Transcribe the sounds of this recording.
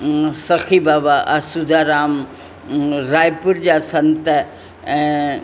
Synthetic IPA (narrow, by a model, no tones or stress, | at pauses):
sɐxʰiːbaːbaʔasud̪ʱaːɾaːm | ɾaːjpʊɾd͡ʑaːsɐnt̪ə | ɛ̃ː